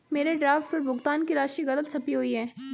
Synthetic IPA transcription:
meːɾeɖɾaːfʈɔɾbʊɡt̪aːnkiɾaːʃiɣɐlət̪t͡ʃʰɐpiɦoiɦɛː

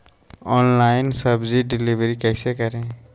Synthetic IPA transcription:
ɔːnlaɪnsəbziɖɪliʋɾikɛːsekəɾẽ

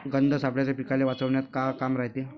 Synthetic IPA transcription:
ɡənd̪ʱəsapɭjat͡ɕapikaleʋat͡səʋɳjat̪kakamɾaɦt̪e

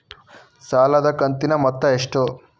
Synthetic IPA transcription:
saːlɐd̪ɐkɐnt̪inɐmɐt̪ːɐeʂʈo

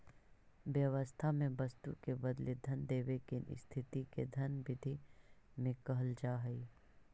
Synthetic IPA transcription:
ʋjəʋəst̪ʰamẽbɐst̪ṵkebɐd̪led̪ʱɐnd̪eːʋekɪnɪ̰st̪ʰɪt̪iked̪ʱɐnbɪd̪ʱimẽkəɦəld͡ʒaːɦəi

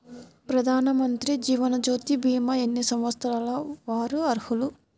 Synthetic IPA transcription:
pɾɐd̪ʱaːnɐmɐnt̪ɾid͡ʒiːʋɐnɐd͡ʒoːt̪ibiːmɐenːisɐmʋɐt̪st̪ɐɾaːlɐʋaːɾuɐɾhulu

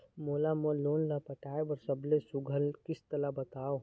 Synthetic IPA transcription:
moːlamoloːnlapəʈaːebəɾsəblesʊɡʱəlkɪst̪əlabɐt̪aːo

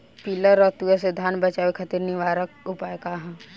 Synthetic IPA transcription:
piːləɾɔːɾt̪ujased̪ʱaːnbɐt͡ʃaːwekʰɐt̪iɾniʋaːɾək̚ʊpaːekaɦã

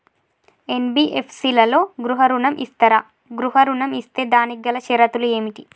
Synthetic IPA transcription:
enbiːʔepʰsiːlɐlo̞ːɡɾuɦɐɾuɳɐmʔḭst̪ɐɾaː | ɡɾuɦɐɾuɳɐmist̪e̞ːd̪aːniɡːɐlɐʃɛɾɐt̪ulue̞ːmiʈi

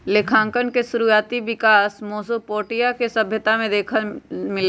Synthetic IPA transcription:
lekʰãːŋkənkesʊɾujaːt̪iʋɪkaːsmoːsopoːʈijakesɐbʱjət̪amẽd̪eːkʰəmɪl

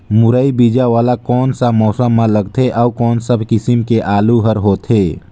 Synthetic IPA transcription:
mʊɾəibid͡ʒaʋaːlakɔːnsamɔːsəmːãləɡt̪ʰeʔɔːkɔːnsəbʱkɪsɪmkeʔaːluɦəɾɦoːt̪ʰeː

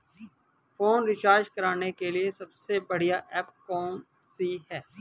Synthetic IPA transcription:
foːnɾɪʃaːʃkɐɾaːnekeliesɐbsebɐɽ̤ijaʔɛːpkɔːn | siɦɛː

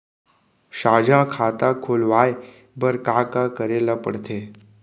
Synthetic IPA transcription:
ɕaːd͡ʒʱãkʰat̪akʰoːlʋaj | bəɾkakakəɾelapə̰ɽt̪ʰe

